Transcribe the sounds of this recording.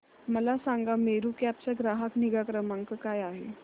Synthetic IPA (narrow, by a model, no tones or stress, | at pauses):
məlasaŋɡameɾukap̚t͡ɕaɡɾaɦəkniɡakɾəmaŋkəkajaɦḛ